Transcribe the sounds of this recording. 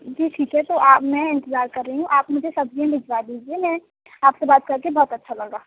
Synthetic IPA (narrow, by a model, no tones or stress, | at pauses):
d͡ʒiːʈʰiːkɦɛt̪oʔaːpmɛ̃ɪ̃nt̪əzaːɾkɐɾːeiɦũʔaːpmʊd͡ʒʱesɐbd͡ʒiẽbɪd͡ʒʋad̪iːd͡ʒiemɛ̃ | aːpsebaːt̪̚kɐɾkebɔɦːt̪ɐtːʃʰalɐɡaː